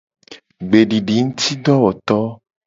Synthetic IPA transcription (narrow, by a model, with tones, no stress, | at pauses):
ɡ͡be˨ɖi˨ɖi˨ŋũ˦t̪i˦ɖ̪ɔ˦wɔ˨t̪ɔ˦